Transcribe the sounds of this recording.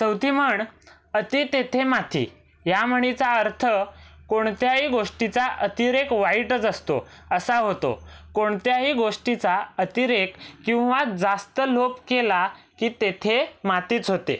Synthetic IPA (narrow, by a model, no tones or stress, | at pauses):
t͡səwt̪iməɳ | ət̪iːt̪et̪ʰemat̪ʰḭː | jam̤əɽ̃it͡saəɾt̪ʰəkoɳt̪jaɦiːɡoʂʈit͡saʔət̪iɾekʋaiʈət͡səst̪o̰ | əsaɦot̪o̰koɳt̪jaɦiɡoʂʈit͡saət̪iɾekːĩw̃ʋad͡zast̪əlopkela | kiːt̪et̪ʰemat̪iːt͡sɦot̪ḛ